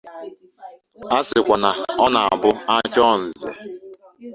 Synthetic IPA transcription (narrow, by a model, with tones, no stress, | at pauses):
a˦sɪ˨kʷa˨na˨ɔ˦na˨aa˨bʊ˦a˦t͡ʃɔ˦n̩˨zḛ˨